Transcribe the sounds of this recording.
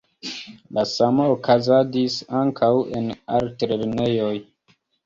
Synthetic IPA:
lasamookʰazad͡ʒisaŋkʰawḛnaɾtɾeɾnejoj

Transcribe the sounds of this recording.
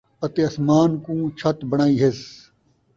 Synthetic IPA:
ɐt̪eɐsmaːnkũːt͡ɕʰɐt̪bɐɽ̃aːiːɦes

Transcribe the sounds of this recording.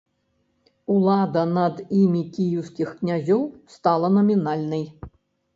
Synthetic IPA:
ulˠad̪ɐnɐd̪imʲikʲijiwskʲixknʲazʲɔwst̪alˠɐnɐmʲinalʲnɨj

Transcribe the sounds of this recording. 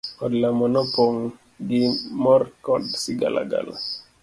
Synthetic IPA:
ɔdlamɔnɔpoŋ | ɡimɔrkɔdsiɡa̰lʔa̰ɡa̰la̰

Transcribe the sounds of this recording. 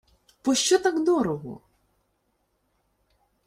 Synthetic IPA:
pɔʃt͡ʃɔt̪akd̪ɔɾɔɦɔ̰

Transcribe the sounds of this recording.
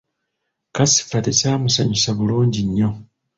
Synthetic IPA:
kasi̥fatisamusaɲusaβuluːɲɟiɲːo

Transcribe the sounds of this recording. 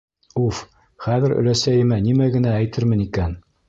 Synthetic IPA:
uf | χæðɘɾɵ̰̆læsæjɘ̆mænimæɡɘ̆næːjt̪ɘɾmɘ̆nikæn

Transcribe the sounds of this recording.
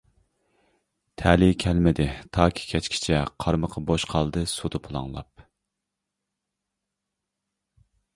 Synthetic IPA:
t̪ʰɛːlikʲʰɛlmɪd̪ɪt̪ʰɑːkʲʰi̥kʲʰɛt͡ʃkʲʰi̥t͡ʃʰɛqʰɑɾməqʰɑboʃqʰɑlˠd̪ɨsud̪ɨpʰʊlˠɑ̰ŋlˠɑ̰p̚

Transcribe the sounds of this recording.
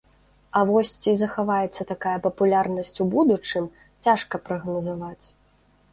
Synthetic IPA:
ɐvɔsʲt͡sʲizɐxavajɛt̪sːɐt̪akajɐpɐpulʲarnɐsʲt͡sʲubud̪ut͡ʂɨm | t͡sʲaʂkɐpɾɐɣnɐzavat͡sʲ

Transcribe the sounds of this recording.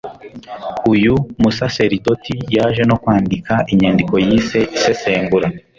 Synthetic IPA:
ujumusase̞ɾito̞tijaːʒe̞no̞kwaːndikaʔiɲandiko̞jiːse̞ʔise̞se̞ːŋɡuɾa

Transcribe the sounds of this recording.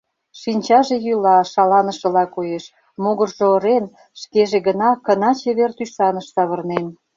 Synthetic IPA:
ʃinʲt͡ɕɑʒejylɑʃɑlɑnəʃə̆lɑkojeʃ | moɣərʒoːɾen | ʃkeʒeɣənɑkə̆nɑt͡ɕeβert̪yʃɑnəʃsɑβərnen

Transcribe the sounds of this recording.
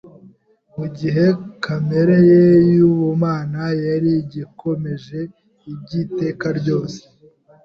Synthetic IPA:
muɟiɦe̞kame̞ɾejejuβumaːnajaɾiɟikʰo̞me̞ʒe̞ | ibɟite̞ːkaɾɟo̞ːse̥

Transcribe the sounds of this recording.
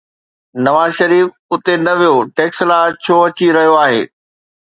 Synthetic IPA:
nɐʋaːzʃɐɾiːf | ʊt̪enɐʋijoʈeːkslaːt͡ɕʰoːɐt͡ɕiɾɐɦijoaːɦḛː

